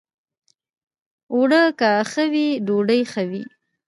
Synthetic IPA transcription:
wɽəkaxəwidoɖəjxəwi

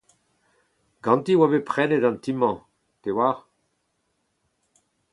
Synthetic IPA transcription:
ɡ̥ɑ̃nt̪iwabepχɛnedɑ̃nt̪imɑ̃ | t̪ewaːʁ

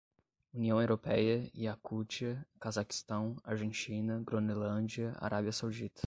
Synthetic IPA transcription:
uniɐ̃w̃ewɾopɛjɐiakut͡ʃiɐkazaki̥st̪ɐ̃w̃a̰ɾʒẽnt͡ʃĩnɐɡɾonelɐ̃d͡ʒiɐa̰ɾʔabiɐsawd͡ʒit̪ɐ̥

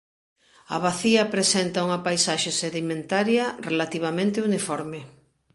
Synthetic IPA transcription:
ɐ̰βaθiɐpɾesent̪auŋɐpajsaʃeseðimẽnt̪aɾjɐrelat̪iβ̞amẽnt̪ɪunifɔɾme

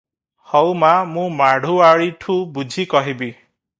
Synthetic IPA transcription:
hɔwmamũmaɽ̤ʱuaɭiʈʰũbud͡ʒʱikɔɦibi

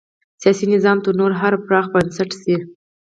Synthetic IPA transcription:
sijɑsinɪzɑmt̪əɾnoɾɦaɾpɾɑxbansaʈsi

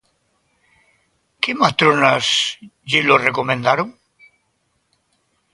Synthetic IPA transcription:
kemat̪ɾonasʎiloreko̞mẽnd̪aɾoŋ

